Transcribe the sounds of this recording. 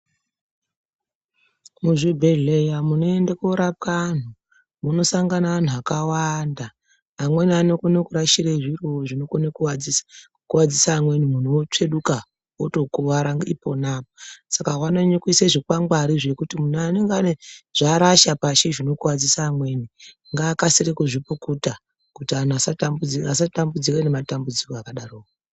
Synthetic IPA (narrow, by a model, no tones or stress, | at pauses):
muʐibʱeɮejamuno̞endekoɾap̚kan̤u | muno̞saŋɡanaan̤uakawanda | amwe̞nianekunokuɾaʃireʐiroʐinoknek | kuwad͡zisaːmwe̞nimun̤ot͡ʂe̞ɗuka | oto̞kuʋaɾaŋipo̞naposakawanoɲikiseʐikwaŋɡwaɾiʐe̞kutimun̤uaneŋɡeaneʐ̥aɾaʃapaʃeʐino̞kuwad͡zisaːmwe̞ni | ŋɡaːkasirekuʐipukuta | kutian̤uasatambud͡zias̬atambud͡zirene̞matambud͡zikoakaɗaroːko